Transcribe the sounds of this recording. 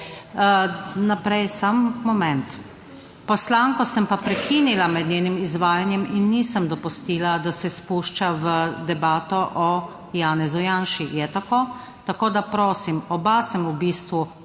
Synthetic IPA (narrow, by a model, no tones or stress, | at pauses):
napɾɛjsamːɔmɛnt̪ | pɔslaːŋkɔsəmpapɾɛkinilamɛd̪nʲeːnimizʋaːjanjɛminːisəmd̪ɔpust̪iːlad̪asɛspuʃt͡ʃaʋəd̪ɛbaːt̪ɔʔɔ | jaːnɛzujanʃijɛt̪akoː | t̪akoːd̪apɾoːsimɔbasəmubiːst̪ʋu